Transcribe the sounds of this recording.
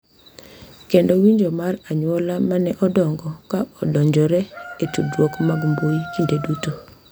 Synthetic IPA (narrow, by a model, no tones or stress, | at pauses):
kendɔwiɲd͡ʒomaraɲwɔlamanɛʔɔdɔŋɡɔkaɔdɔɲd͡ʒɔɾɛetudwokmaɡmboikindeduto